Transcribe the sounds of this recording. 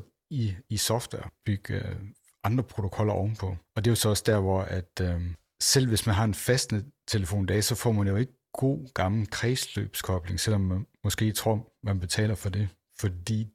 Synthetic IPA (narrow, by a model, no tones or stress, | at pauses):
iisɒ̽fd̥wɛɐ̰b̥yɡ̥ | ʔɑ̈nd̥ʁɐpʰʁo̝t͡sʰo̝kʰɒ̽l̰ɐʔɒʊn̩pʰɒ̽ɒ̽d̥e̝josɒ̽ɒ̽sd̥æɐ̰ʋɒæd̥ | sel̰ʋe̝smænɦɑ̈e̝nfesd̥nət͡sʰe̝ləfo̝̰ːnd̥ɛ̰ːsɒ̽fɒ̰ːmænjo̝e̝ɡ̥ə | ɡ̥o̝̰ːɡ̥ɑ̈ml̩kʰʁɛːslø̰ːb̥skʰɒ̽b̥le̝ŋsel̰ɒ̽mmɒ̽sɡ̥e̝̰ːt͡sʰʁo̝ɐ̰mænb̥e̝t͡sʰɛ̰ːlɐfɒ̽de̝ | fɒ̽d̥ḭː